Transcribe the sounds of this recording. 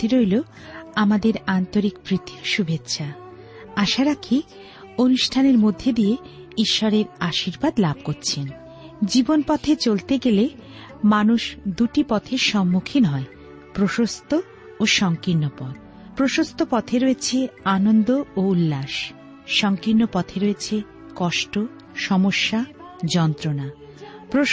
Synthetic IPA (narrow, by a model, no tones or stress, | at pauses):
t̪iɾojlo | amad̪eɾant̪oɾikpɾit̪ʰiʃubʱetːɕʰa | aʃaɾakʰi | onuʃʈʰaneɾmod̪ʱːed̪ije | iʃːɔɾeɾaʃiɾbad̪lab̚ʱkoɾt͡ɕʰen | d͡ʑibonpɔt̪ʰet͡ɕolt̪eɡele | manuʃd̪uʈipɔt̪ʰeʃɔmːukʰinɦɔe | pɾoʃost̪ʰo | oʃɔŋkinːopɔd̪̚ | pɾoʃost̪ʰopɔt̪ʰeɾoet͡ɕʰeanond̪ooulːaʃ | ʃɔŋkinːopɔt̪ʰeɾoet͡ɕʰe | kɔʃʈo | ʃɔmoʃːa | d͡ʑɔnt̪ɾona | pɾo